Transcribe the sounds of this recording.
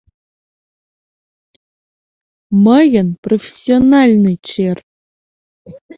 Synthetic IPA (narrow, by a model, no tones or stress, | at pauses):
məjənprofʲe̥sʲːionɑlʲnɨt͡ɕer